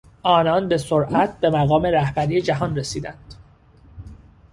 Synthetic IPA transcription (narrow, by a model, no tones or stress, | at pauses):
ʔɒːnɒnbe̞soɾʔæt̪̚ʰbe̞mæɣɒːme̞ɾæhbæɾiːed͡ʒæɦɒnresiːd̪ænd̪̥